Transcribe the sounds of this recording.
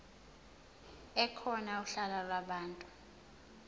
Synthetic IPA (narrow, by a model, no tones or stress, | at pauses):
ɛkʰɔnauɬalalwaɓaːntʼu